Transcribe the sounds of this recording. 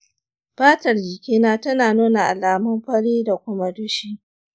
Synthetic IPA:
baː˦tɐ˨rd͡ʒɪ˨kʲiː˦naː˦tɐ˦naː˨nuː˦na˨ʔa̰˨laː˨mʊ˦mɸɐ˦ɽiː˦da˨kʷʊ˦ma˦dʊ˦ʃiː˦

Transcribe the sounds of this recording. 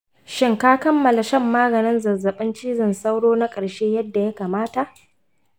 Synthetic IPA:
ʃɪ˦ŋkaː˦kɐ˦mːɐ˨la˨ʃɛ˦˨mːaː˦ɡɐ˨nɪ˦nzɐ˨zːɐ˨ɓɪ˦nt͡ʃiː˦zɪ˨nsa˦wɽoː˦na˦kʼɐ˨ɽʃeː˦jɐ˦dːa˨ja˦kaː˨maː˦ta˨ʔ

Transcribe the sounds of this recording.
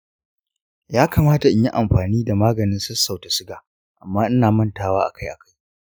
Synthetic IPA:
jaː˦kaː˨maː˦ta˨ʔɪ˦ji˦ʔa˨mɸaː˨niː˦da˨maː˦ɡɐ˨nɪ˦nsʊ˦sːa˨wta˨sɪ˦ɡaː˨ | ʔa˨mːaː˦ʔɪ˦naː˨mɐ˦ntaː˦waː˦ʔa̰˨kʰa˦jʔa˨ka˦j

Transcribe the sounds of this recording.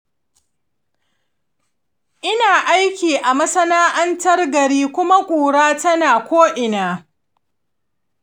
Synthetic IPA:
ʔɪ˦naː˨ʔa˦jkʲiː˨ʔa˨mɐ˦sɐ˦naː˦ʔɐ˦ntɐ˦rɡɐ˨ɾiː˦kʷʊ˦ma˦kʷʼuː˨ɽaː˦tɐ˦naː˨kʷoː˦ʔɪ˨naː˨

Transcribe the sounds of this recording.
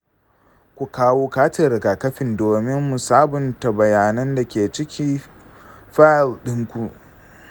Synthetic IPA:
kʷu˨kaː˦woː˦kaː˦tɪ˨ɾɪ˨ɡaː˨kɐ˦ɸɪ˨ndoː˨mɪ˦mːu˨saː˦bʊ˨ntɐ˨bɐ˨jaː˨nɐ˦nda˨kʲeː˨t͡ʃɪ˦kʲʰiː˦ | ɸa˦a˨lɗɪ˦ŋkʷu˨

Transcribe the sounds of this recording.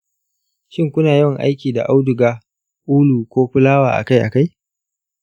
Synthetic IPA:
ʃɪ˦ŋkʷʊ˦naː˨jɔ˦ŋʔa̰˦jkʲiː˨da̰˨ʔa˦wdʊ˨ɡaː˦ | ʔuː˦luː˨kʷoː˦ɸɪ˦laː˦waː˨ʔa̰˨ka˦jʔa̰˨ka˦j

